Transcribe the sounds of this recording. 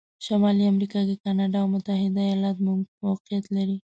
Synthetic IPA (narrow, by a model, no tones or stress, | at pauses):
ʃamɑliamɾikɑkekɑnɑɖɑwmʊt̪ahɪd̪ajɑlɑt̪muɡwɑqɪjat̪laɾi